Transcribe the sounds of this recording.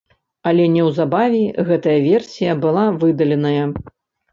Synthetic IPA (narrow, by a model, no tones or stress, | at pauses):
ɐlʲɛnʲɛwzabavʲiɣɛt̪ɐjɐvʲɛrsʲijɐbɨlˠavɨd̪ɐlʲɛnɐjɐ